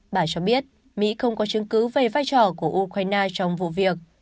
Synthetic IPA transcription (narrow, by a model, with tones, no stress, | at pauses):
ɓaː˧˩t͡ɕɔ˧ɓi˦˥ət̚ | mḭ˧˥xə˧wŋ͡mkɔ˨˦t͡ɕɨ˨˦əŋkɨ˨˦wve˨˩vaː˧jt͡ɕɔ˧˩ku˧˩əʔu˧kwaː˧jnaː˧t͡ɕɔ˧wŋ͡mvṵ˧˨vi˨˩ək̚